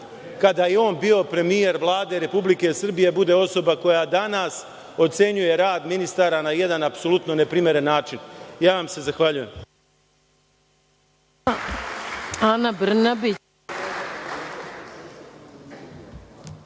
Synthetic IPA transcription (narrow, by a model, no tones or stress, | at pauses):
kad̪ajeo̞ːnbiːo̞pɾe̞mije̞ɾʋlˠaːd̪e̞ɾe̞publike̞sr̩bije̞bud̪e̞o̞so̞bako̞jad̪anas | o̞t̪se̞ɲuje̞ɾaːd̪minist̪aːɾanaje̞d̪anapso̞lˠut̪no̞ne̞pɾimje̞ɾe̞nːaːt͡ʃinjaːʋamsezaxʋaʎuje̞m | anabr̩nabi